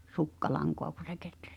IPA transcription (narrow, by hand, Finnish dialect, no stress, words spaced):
sukːɑlɑŋkoɑ ku se ketræ̥s